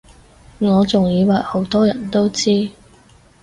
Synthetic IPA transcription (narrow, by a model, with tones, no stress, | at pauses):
ŋɔː˨˧t͡sʊ˨˩ŋjiː˨˧waː˨˩ho˨˥wt̪ɔː˥jɐ˨˩nt̪o˥wt͡siː˥